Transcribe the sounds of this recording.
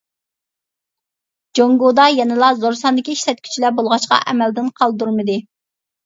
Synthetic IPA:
d͡ʒoŋɡod̪ɑjɛnɨlˠɑzoɾsɑnd̪ɪkʲiiʃlɛt̪̚kʲʰy̥t͡ʃʰilɛbolˠʁɑʃqɑ̰ʔɛmɛld̪ɪnqʰɑlˠd̪uɾmɨd̪ɪ

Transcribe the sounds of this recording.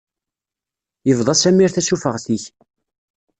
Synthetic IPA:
jəvðˤɑsæmːiɾθæsufəʁθiç

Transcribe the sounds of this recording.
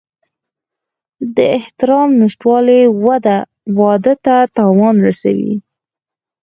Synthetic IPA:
d̪əɪht̪ɪɾɑmnɪʃʈwɑlewad̪a | wɑd̪ət̪at̪ɑwɑnɾasa̰wḭ

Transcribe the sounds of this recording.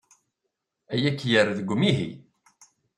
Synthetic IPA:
æjækːjəɾðəɡʷːmiɦḭ

